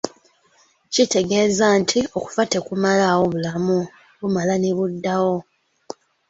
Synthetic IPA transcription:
cite̞ɡe̞ːzantʰio̞ku̥fate̞kumalawo̞βulamu | βumalaneβudːawo̞

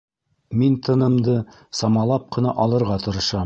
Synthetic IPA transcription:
mint̪ɤ̆nɤ̆md̪ɤ | sɑmɑlˠɑp̚qɤ̆nɑʔɒlˠɤ̆ɾʁɑt̪ɤ̆ɾɤ̆ʃɑm

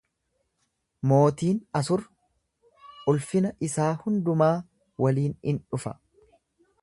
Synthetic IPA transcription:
mo̞ːt̪iːnɐsʊɾ | ʊlfɪnɐʔɪsaːhʊnd̪ʊmaː | wɐliːnɪnᶑʊfɐ

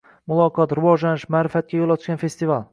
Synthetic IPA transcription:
mʊlˠɒqʰɒt̪ɾʊvɒʒlanɪʃmaːɾɪfat̪̚kʲajolˠɒt̪ʰʊʃɡʲanfe̞st̪ɪvalˠ

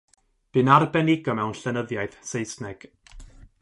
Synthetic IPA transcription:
b̥ɨnarbɛnɪɡɔmɛwnɬɛnəðjaɨð̥sejsnɛɡ̥

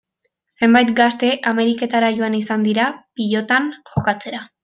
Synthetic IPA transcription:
se̞mbajt̪ɡast̪e̞ʔame̞ɾike̞t̪aɾaʝo̞anisand̪iɾapiʎo̞t̪anʝo̞kat͡se̞ɾa

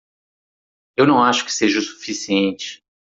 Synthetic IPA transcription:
ewnɐ̃w̃aʃʊ̥kɪ̥seʒɐsu̥fisiẽnt͡ʃɪ̥

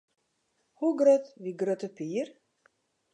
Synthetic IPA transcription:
huɡɾœt̪viɡɾœt̪əpiːɾ

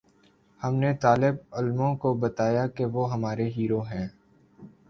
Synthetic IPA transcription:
hɐmnet̪aːlɪbʊlmõkobɐt̪aːjakeʋoɦɐmaːɾeɦiːɾoɦɛ̃ː

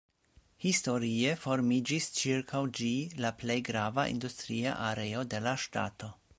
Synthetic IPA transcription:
histo̞ɾie̞fo̞ɾmid͡ʒist͡ʃiɾkʰawd͡ʒilaple̞jɡɾavaʔḭndustɾia̰ʔaɾe̞o̞de̞laʃta̰to̞

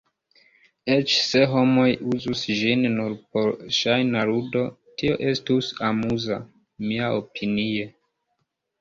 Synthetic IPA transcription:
et͡ʃse̞ɦo̞mo̞juzusʒinːuɾpo̞ɾʃajnaɾudo̞ | tʰio̞̰ʔe̞stusamuza | miaopʰinie̞

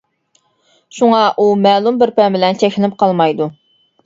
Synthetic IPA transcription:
ʃuŋɑʔumɛːlˠumbɪɾpɛmbɪlɛnt͡ʃʰɛkʲɪlɪp̚qʰɑlˠmɑjd̪u

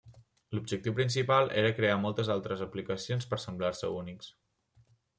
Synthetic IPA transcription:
lub̚ʒək̚t̪iwpɾinsipalˠeɾəkɾeamɔlˠt̪əzalˠt̪ɾəzəplikəsionspəɾsəmblaɾsəuniks

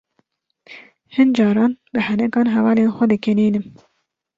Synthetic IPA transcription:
hɨnd͡ʒɑːɾɑːnbɨhɛnɛkɑːnɦɛvɑːleːnxʷɛd̪ɨkɛneːnɨm

